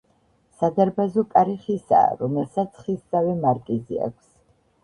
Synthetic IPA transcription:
sad̪aɾbazɔkʼaɾiχisa̰ːɾɔmɛlsat̪sʰχisd̪zavɛmaɾkʼizḭa̰kʷʰs

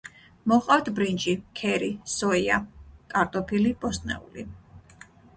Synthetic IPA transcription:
mɔχʼqʼaft̪ʰbɾind͡ʒʼikʰɛɾisɔiak̪ʼaɾt̪ʼɔpʰilib̥ɔst̪ʼnɛ̰ṵli

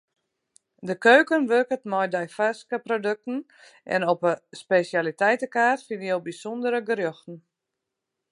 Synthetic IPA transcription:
dəkøːkənʋørkətmɔjdɛjfaskəprodøk̚tn̩ | ʔɛ̰nopəspesjalitɛjtəkaːtfinjowbisondəɾəɡəɾjoxtn̩

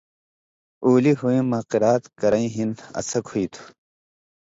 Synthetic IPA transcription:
uːliɦuĩmaːqiɾaːt̪kɐɾɐĩɦinɐ̰sɐkʰuit̪ʰu̥

